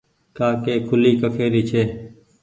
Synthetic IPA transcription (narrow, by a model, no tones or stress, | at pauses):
kaːkeːkʰʊliːkəkʰeːɾiːt͡ʃʰeː